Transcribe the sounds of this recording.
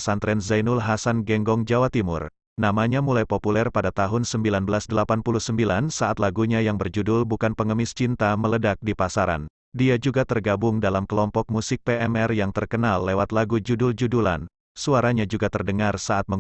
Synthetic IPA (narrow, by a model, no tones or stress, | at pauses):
sant̪ɾɛnzajnulɦasanɡɛŋɡɔŋd͡ʒawat̪imʊ̰r | namaɲamulajpopulɛrpadat̪aɦʊnsəmbilanbəlasdəlapanpuluhsəmbilansaat̪laɡuɲajaŋbərd͡ʒudʊlbukanpəŋəmɪst͡ʃint̪amələdak̚dipasaɾa̰n | diad͡ʒuɡat̪ərɡabʊŋdalamkəlɔmpɔk̚musɪk̚peʔɛmɛrjaŋt̪ərkənalːewat̪laɡud͡ʒuduld͡ʒudula̰n | suaɾaɲad͡ʒuɡat̪ərdəŋarsaat̪̚mə